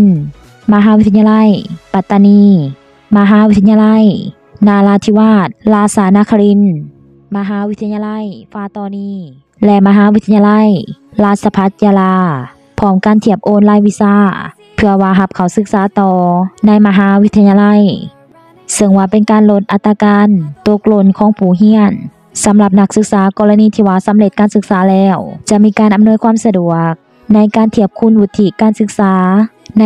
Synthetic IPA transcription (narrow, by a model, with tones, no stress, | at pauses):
n | ma˧ɦaː˧˨wi˦˥t̪ʰa˧ɲa˧la˧˥˨jpa˧t̪ːa˧niː˧ | ma˧ɦaː˧˨wi˦t̪ʰːɲa˧la˧˥˨j | naː˧˨laː˧t̪ʰiː˧waː˧˥˩t̪̚laː˧saː˨˧˦naː˧˥kʰa˧li˧˥˨n | ma˧ɦaː˧˨wi˦˥t̪ʰːɲa˧la˧˥˨jfaː˧˥t̪ɔː˧niː˧˩ | lɛ˧˨ma˧ɦaː˧˦wi˦˥t̪ʰa˧ɲa˧la˧˥˨j | laː˧˩t̪̚sa˧pʰa˧˦˥t̪̚t͡ɕaː˧laː˧ | pʰɔː˧˦mka˧˨nt̪ʰi˧˩əp̚ʔoː˧˥˨nlaː˧˥˨jwi˧˨saː˧˥˨ | pʰɯ˧ɐwaː˧ɦa˧p̚kʰa˨˩wsɯ˧˥k̚saː˨˧˦t̪ɔː˧na˧˥˨jma˧ɦaː˧˥wi˦˥t̪ʰːa˧ɲaː˧la˧˥j | sɤ˧ŋwaː˧pe˨nkaː˨nlo˧t̪̚ʔa˧t̪ːaː˧kaː˧˥˨nt̪o˧k̚lo˧˥˨nkʰɔː˧˥˦ŋpʰuː˨˩ɦi˧˥ən | sa˨˦mla˧p̚na˧˥k̚sɯ˧k̚saː˨˦kɔː˧˨la˧niː˧˥˩t̪ʰiː˧waː˧sa˨˦mle˧t̪̚kaː˨nsɯ˧˥k̚saː˨˦lɛː˧˩wt͡ɕa˧ʔmiː˧˥˧kaː˨nʔa˨mnu˧˥ə˨jkʰwaː˧˥˨msa˧du˨˧˩ək̚ | na˧˥˨jkaː˧˨nt̪ʰi˧˩əp̚kʰu˧˥˨nwu˧t̪ʰːi˧˨kaː˧˨nsɯ˧˦k̚saː˨˦n˧